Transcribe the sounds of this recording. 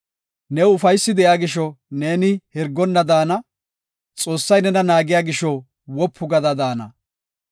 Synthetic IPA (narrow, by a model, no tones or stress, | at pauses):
nɛʊfɐjsːɪd̪ɛjaːɡɪʃɔne̞ːnɪhɛɾɡːɔnːɐd̪aːnɐ | t͡sʼo̞ːsːɐjnɛnɐnaːɡɪjaːɡɪʃɔ | wɔpʰːʊɡɐd̪ɐd̪aːnɐ̰